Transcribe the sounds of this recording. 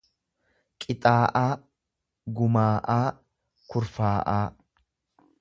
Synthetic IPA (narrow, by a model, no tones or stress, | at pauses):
kʼɪt̪ʼaːʔaː | ɡʊmaːʔaː | kʊɾfaːʔaː